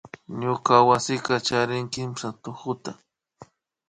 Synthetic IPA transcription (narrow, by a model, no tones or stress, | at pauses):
ɲokawasɪkat͡ʃaɾɪŋkɪmsat̪ʊxʊt̪a